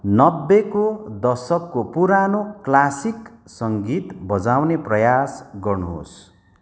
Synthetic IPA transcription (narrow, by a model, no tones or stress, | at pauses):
nʌbːekod̪ʌrsʌkːopuɾanoklasiksʌŋɡit̪bʌd͡zawneprʌjasɡʌrnuɦo̰s